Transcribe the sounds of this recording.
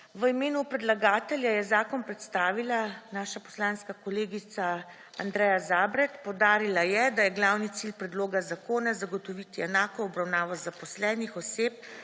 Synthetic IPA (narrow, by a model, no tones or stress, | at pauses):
ʋəimeːnupɾɛd̪laɡaːt̪ɛljajɛzaːkɔnpɾɛt̪st̪aːʋilanaːʃapɔ̥slaːnskakɔleːɡit̪sa | and̪ɾɛːjazaːbɾɛt̪pɔwd̪aːɾilajɛd̪ajɛɡlaːwnit̪silpɾɛd̪loːɡazakoːnazaɡɔt̪ɔʋit̪iɛnaːkɔːbɾawnaːʋɔzapɔslɛːnixɔseːp̚